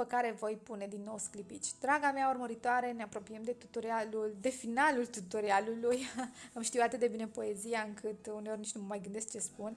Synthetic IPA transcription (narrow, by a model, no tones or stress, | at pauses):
əkaɾe̞vo̞jpune̞d̪inːo̞wsklipit͡ʃʲd̪ɾaɡameaurməɾit̪oaɾe̞neapɾo̞pijemd̪e̞t̪ut̪oɾialuld̪e̞finalult̪ut̪oɾialulujɨmʃt̪iwat̪ɨt̪̚d̪e̞bine̞po̞e̞ziaɨŋkʰɨt̪uneo̞rʲnit͡ʃnuməmajɡɨnd̪e̞sk̚t͡ʃe̞spun